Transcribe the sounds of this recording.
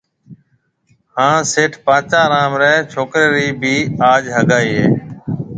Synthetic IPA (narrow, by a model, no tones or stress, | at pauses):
hãːseːʈʰpãːt͡ʃaːɾaːmɾɛːt͡ʃʰoːkɾeːɾiːbʱiːaːd͡ʒɦəɡaːiːɦḛː